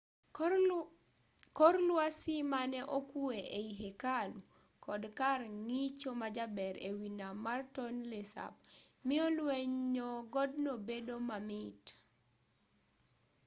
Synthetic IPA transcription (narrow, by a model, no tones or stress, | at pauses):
kɔɾlwasimanɛʔokueʔeiɦekalu | kʰɔdkarŋit͡ʃomad͡ʒabɛɾewinamartɔnlesa̰b̚ | miɔlweɲɔɡɔdnobedomamit